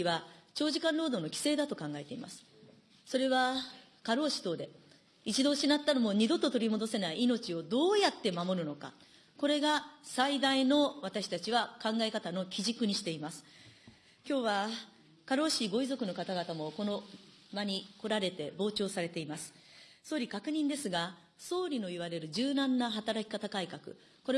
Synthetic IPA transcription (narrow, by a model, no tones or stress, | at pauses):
βat͡ɕo̞ːʑikãnɾo̞ːd̪o̞ːno̞kʲi̥se̞ːd̪at̪o̞kãŋɡae̞t̪e̞ḭma̰sɨ̥ | so̞ɾe̞βa | kaɾo̞ːɕi̥t̪o̞ːd̪e̞ | it͡ɕid̪o̞ːɕinat̪ːano̞mo̞ɲ̟id̪o̞t̪ːo̞t̪o̞ɾʲimo̞d̪o̞se̞naiino̞t͡ɕio̞d̪o̞ːjat̪ːe̞mamo̞ɾɯ̟no̞ka̰ | ko̞ɾe̞ɡasaid̪aino̞βat̪aɕi̥t̪at͡ɕiβakãŋɡae̞kat̪ano̞kʲiʑikɯ̟ɲ̟iɕi̥t̪e̞imasɨ̥ | kʲo̞ːβa | kaɾo̞ːɕiːɡo̞izo̞kɯ̟no̞kat̪aɡat̪amo̞ko̞no̞ | maɲ̟iko̞ɾaɾe̞t̪e̞bo̞ːt͡ɕo̞ːsaɾe̞t̪e̞imasɨ̥ | so̞ːɾʲikakɯ̟ɲ̟ĩnd̪e̞sɨɡa | so̞ːɾʲino̞iβ̞aɾe̞ɾɯ̟ʑɨːnãnːaɦat̪aɾakʲi̥kat̪akaikakɯ̟̰ | ko̞ɾe